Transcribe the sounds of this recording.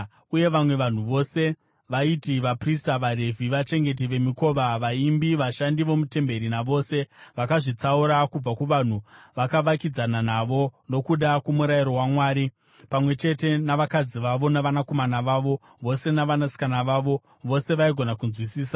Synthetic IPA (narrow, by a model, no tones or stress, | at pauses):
uje̞ʋamwe̞ʋan̤uʋo̞se̞ | ʋaitiʋapristaʋaɾe̞vʱiʋat͡ʃe̞ŋɡe̞t̬iʋe̞miko̞ʋaʋaimbiʋaʃandiʋo̞mute̞mbe̞ɾinaʋo̞ːse̞ʋakaʐit͡sauɾakub͡vakuʋan̤uʋakaʋakid͡zananaʋo̞no̞kuɗakumuɾaiɾo̞wamwaːɾi | pamwe̞t͡ʃe̞te̞naʋakad͡ziʋaʋo̞naʋanako̞manaʋaːʋo̞ | ʋo̞se̞naʋanasi̥kanaʋaːʋo̞ | ʋo̞se̞ʋaiɡʱo̞nakunzwisiːsa